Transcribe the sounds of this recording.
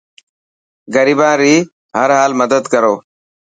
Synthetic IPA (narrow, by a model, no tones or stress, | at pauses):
ɡəɾiːbãːɾiː | həɾɦaːlməd̪əd̪kəɾoː